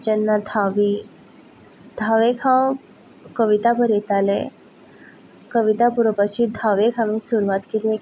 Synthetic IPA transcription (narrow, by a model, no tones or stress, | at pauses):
d͡ʑənːad̪ʱaʋi | d̪ʱaʋekʰãw | kəʋit̪apəɾjet̪alẽ | kəʋit̪apuɾpat͡ɕid̪ʱaʋekʰãʋĩsuɾʋat̪kili